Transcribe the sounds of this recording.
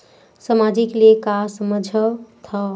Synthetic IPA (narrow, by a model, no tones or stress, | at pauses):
səmad͡ʒiklekasməd͡ʒʱət̪ʰʌ